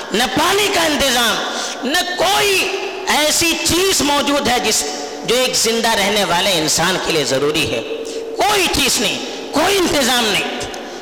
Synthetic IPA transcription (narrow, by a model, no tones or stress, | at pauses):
nɐpaːnikaɪ̃nt̪ɪzaːm | nɐkoːi | ɛːsit͡ʃiːzmɔːd͡ʒuːd̪ɦɛd͡ʒɪs | d͡ʒoːeːkzɪ̃nd̪aɾɛɦneʋaːleɪnsaːnkeliezɐɾuːɾiɦɛ̰ː | koːit͡ʃiːznɐɦĩ | koːiɪ̃nt̪ɪzaːmnɐɦĩ